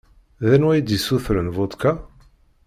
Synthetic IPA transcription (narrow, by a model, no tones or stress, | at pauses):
ðænwæjd̪isuθɾənvot̪ˤka